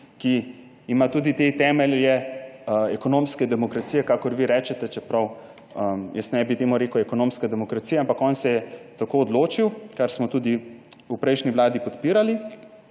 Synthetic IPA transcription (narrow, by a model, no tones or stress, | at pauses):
ki | imat̪uːd̪it̪et̪ɛːmɛljɛəɛkɔnoːmskɛd̪ɛmɔkɾat̪siːjɛkakɔɾʋiɾɛːt͡ʃɛt̪ɛt͡ʃɛpɾɐw | əjəsnɛbit̪eːmuɾeːkəwɛkɔnoːmskad̪ɛmɔkɾat̪sijaampakɔːnsɛjɛt̪akoːd̪loːt͡ʃiwkaɾsmɔt̪uːd̪i | upɾɛjʃniʋlaːd̪ipɔt̪piɾali